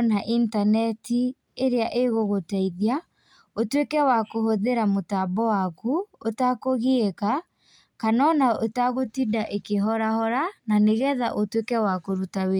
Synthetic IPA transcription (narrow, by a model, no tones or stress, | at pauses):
naʔintanɛtʰi | eɾeaʔeɣoɣotaiðia | otwekɛwakohoðeɾamotabɔwakuotakoɣeeka | kanɔnaotaɣotidaʔekeɦɔɾahɔɾananeɣɛðaʔotwekɛwakoɾutawe